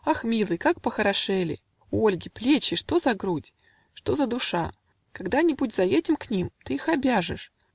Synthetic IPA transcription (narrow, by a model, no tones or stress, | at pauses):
axmʲilˠɨjkakpəxəɾɐʂɛlʲɪ̰ | ʊolʲɡʲɪplʲet͡ɕɪʂt̪o̞zɐɡɾutʲ | ʂt̪o̞zəd̪ʊʂa | kaɡd̪anʲɪbudʲzɐjetʲɪmknʲimt̪ɨixɐbʲaʐɨ̰ʂ